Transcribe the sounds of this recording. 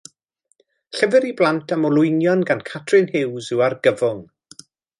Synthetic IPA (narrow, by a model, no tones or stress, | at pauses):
ɬɛvɛɾiblˠantʰamɔlˠʊjnjɔnɡankʰatʰrɨnhɪwzɨwarɡəvʊŋ